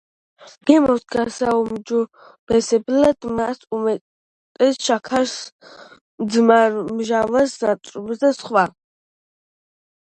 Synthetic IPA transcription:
ɡɛmɔwsɡasaumd͡ʒɔ | b̥ɛsɛblad̪̥masumɛ | t̪ʼɛsʃakʰas | md̪zmaɾmʒavasnat̪ʼɾubzd̪asχwa

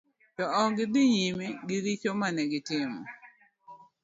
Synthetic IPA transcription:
tɔɔɡɪd̪ɪɲimiɡɪɾit͡ʃomanɛɡɪtɪmɔ̰

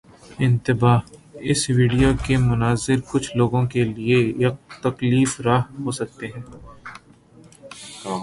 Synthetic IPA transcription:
ɪ̃nt̪ɪbaːɦɪsʋiːɖijokemʊnaːzɪɾkʊt͡ʃʰloːɡõkeliejɐk̚t̪ɐkliːfɾaːɦɦoːsɐk̚t̪eɦɛ̃ː

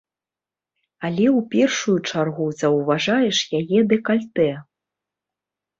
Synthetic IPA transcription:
alʲɛwpʲɛrʂujut͡ʂarɣuzɐwvaʐajɛʂjajɛd̪ɛkalʲt̪ɛ

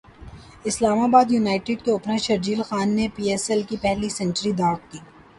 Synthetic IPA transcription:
ɪslaːmaːbaːd̪juːnaːɪʈɪɖkeʊpnaʃɐɾd͡ʒiːlxaːnːepiːɛːsɛlkipɛɦlisɛ̃ɳt͡ʃəɾid̪aːk̚k̪iː

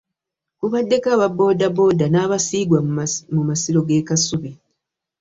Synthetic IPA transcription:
kuβadːe̞kaβabo̞ːdabo̞ːdanaːβasiːɡwamumasiɾo̞ɡe̞ːkasuβe

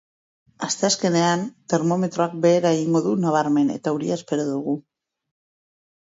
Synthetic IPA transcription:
ast̪e̞aske̞ne̞ant̪e̞ɾmo̞me̞t̪ɾo̞ak̚be̞ːɾaeɣiŋɡo̞ðunaβ̞aɾme̞ne̞̰t̪auɾiaespe̞ɾoðuɣu

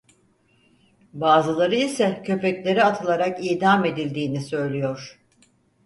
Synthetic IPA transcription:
baːzɯlˠaɾɯisɛcʰø̞pɛclʲe̞ɾiat̪ʰɯlˠaɾakiːd̪ame̞d̪ilʲd̪iːnisø̞jlʲijoɾ̥

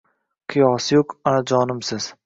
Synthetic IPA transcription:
qʰɨjɒːsɪjokanad͡ʒɒːnɪmsɪz̥

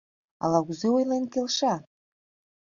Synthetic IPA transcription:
ɑ̰lɑɣuzeujlenkelʃɑ

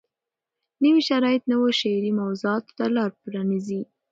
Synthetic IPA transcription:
nəwiʃaɾɑjɪt̪nəwoʃeɾimawzuɑt̪o̥t̪alɑɾpɾɑnizi

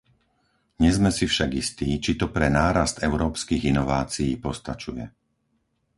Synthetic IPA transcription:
ɲɛzmɛsifʃaɡist̪iːt͡ʃit̪ɔpɾɛnaːɾast̪ɛʊɾɔːpskiːɣinɔʋaːt͡sijiːpɔst̪at͡ʃujɛ̰

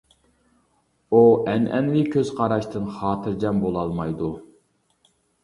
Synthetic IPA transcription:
uɛnʔɛ̰nwɪkʲʰøz̥qʰɑɾɑʃt̪ʰɨnχɑːt̪ʰɨɾd͡ʒɛmbolˠɑlˠmɑjd̪u

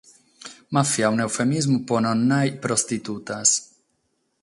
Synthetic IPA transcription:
mafiawnewfemizmupononːajpɾost̪it̪ut̪as

